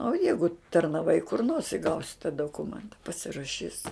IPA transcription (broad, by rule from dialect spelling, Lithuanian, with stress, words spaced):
oː ˈjɛɪɡʊ tɐrnɐˈʋɐɪ kʊr noːrs ɪ ˈɡɐʊsʲɪ tɐ doːˈkʊmʲɛntɐ pɐsʲɪrɐˈʃʲiːs